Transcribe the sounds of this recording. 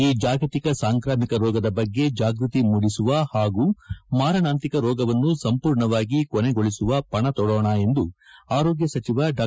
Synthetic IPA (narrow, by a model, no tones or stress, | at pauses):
iːd͡ʒaːɡɐt̪ikɐsaːŋkɾaːmikɐɾɔːɡɐd̪ɐbɐɡːe̞d͡ʒaːɡɾut̪imuɽisuʋɐhaːɡuːmaːɾɐnaːnt̪ikɐɾɔːɡɐʋɐnːusɐmpuːɾɳɐʋaːɡikɔneɡoɭisuʋɐpɐɳɐt̪ɔɽɔːɳɐe̞nd̪uaːɾɔːɡjɐsɐt͡ʃiʋɐɖaː